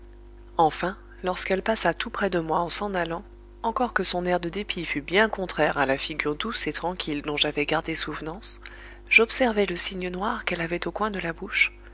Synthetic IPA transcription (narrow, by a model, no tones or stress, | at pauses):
ɑ̃fɛ̃ | lɔʁskɛlpasat̪upχɛd̪əmwaɑ̃sɑ̃nalɑ̃ | ɑ̃kɔʁkəsɔ̃nɛʁd̪əd̪epifybjɛ̃kɔ̃t̪χɛʁalafiɡʲyʁd̪uset̪χɑ̃kʲʰild̪ɔ̃ʒavɛɡaʁd̪esuvnɑ̃s | ʒ̥ɔpsɛʁvɛləsiɲənwaʁkɛlavɛt̪okwɛ̃d̪əlabuʃ